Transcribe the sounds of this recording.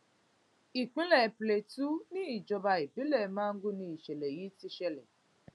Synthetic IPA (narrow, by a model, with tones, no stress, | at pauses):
i˨k͡pi˦le˨ple˨tu˦ni˦˨d͡ʒɔ˨ba˨ɪ˨bi˦le˨ma˦ŋ̩˦ɡʊ˦ni˨ʃe˨le˨ji˦ti˦ʃe˦le˨